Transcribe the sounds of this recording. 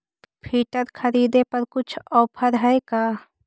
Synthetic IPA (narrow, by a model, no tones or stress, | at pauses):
pʰiːʈəɾkʰɐɾiːd̪epɐɾkʊt͡ʃʰɔːpʰəɾɦɛːkaː